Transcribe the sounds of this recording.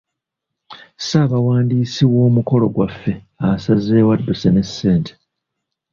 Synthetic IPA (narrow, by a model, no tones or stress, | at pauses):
saβawaːndiːsiwo̞ːmuko̞lo̞ɡwafːe̞ | asaze̞ːwadːusene̞sːe̞ːntʰe̥